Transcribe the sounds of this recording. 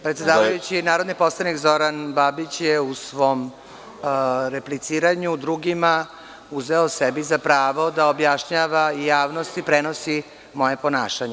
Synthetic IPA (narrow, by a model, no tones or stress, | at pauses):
pɾet̪sʲed̪aːʋajut͡ɕinaːɾod̪niposlˠanikzo̞ɾanbabit͡ɕjeusʋom | ɾeplit̪siːɾaɲud̪ɾuɡima | uzʋeosebizapɾaːʋod̪aobjaʃɲaʋaijaːʋnost̪ipɾenosi | mo̞jepo̞naːʃaɲe